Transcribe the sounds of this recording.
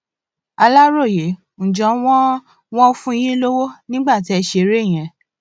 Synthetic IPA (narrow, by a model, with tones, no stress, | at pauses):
a˧la˦ɾo˦˨je˨˦ | ñ̩˨d͡ʒɔ̃˨˦w̃ɔ̃˦ | w̃ɔ̃˦o˦fũ˦˧˦j̃ĩ˦lo˦wo˦nĩ˦ɡ͡ba˦˨t̬i˨˦ɛ˧ʃe˧ɾe˦˨j̃ɛ̃˨˧˦